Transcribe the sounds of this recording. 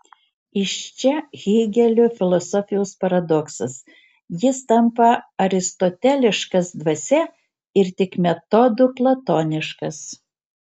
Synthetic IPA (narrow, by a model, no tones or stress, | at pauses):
ɪʃt͡ʃʲɛɣʲiːɡʲɛlʲʊfʲɪlˠɔsɔfʲɪjoʊspɐɾɐd̪ɔksɐs | jɪst̪ɐmpɐɐɾʲɪst̪ɔt̪ʲɛlʲɪʃkɐsd̪ʋɐsʲɛ | ɪɾt̪ʲɪkmʲɛt̪ɔd̪ʊplˠɐt̪oːnʲɪʃkɐs